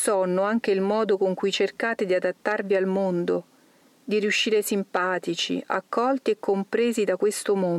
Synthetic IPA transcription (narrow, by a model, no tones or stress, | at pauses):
sɔnoaŋk̟eilmɔːd̪okoŋkujt͡ʃerkaːt̪ed̪iad̪at̪ːarvialmond̪o | d̪iriuʃːiːɾesimpaːt̪it͡ʃḭʔa̰kːɔlt̪iekʰːompɾeːzid̪akwest̪omo